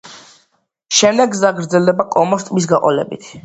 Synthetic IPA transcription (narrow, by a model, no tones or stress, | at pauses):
ʃɛmd̪ɛɡzaɡɾd̪zɛld̪ɛbakʼɔmɔst̪ʼmis̬ɡaqʼɔlɛ̰bḭt̪ʰ